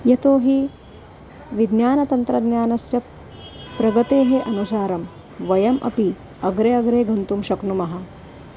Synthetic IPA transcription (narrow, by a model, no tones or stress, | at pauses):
jɐt̪oːɦi | ʋid̪njaːnɐt̪ɐnt̪ɾɐd̪njaːnɐst͡ʃɐ | pɾɐɡɐt̪eːɦeʔɐnusaːɾɐm | ʋɐjɐmʔɐ̰pi | ɐɡɾeɐɡɾeːɡɐnt̪umʃɐknumɐɦɐ̆